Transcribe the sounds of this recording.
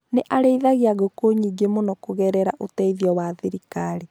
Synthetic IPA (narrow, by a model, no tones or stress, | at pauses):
neʔaɾeiðaɣeaɣokoɲiːɡemonɔkoɣɛɾɛɾaʔotɛiðjɔwaðiɾikaɾi